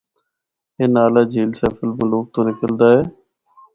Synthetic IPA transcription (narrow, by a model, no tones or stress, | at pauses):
eːnaːlaːd͡ʒʱiːlseːpʰəlbʊloːk̚t̪õːnɪkəld̪aːɦɛː